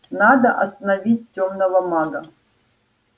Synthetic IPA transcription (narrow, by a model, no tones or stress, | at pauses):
nad̪ɐʔɐst̪ɐnɐvʲit̚ʲːomnɐvɐmaɡɐ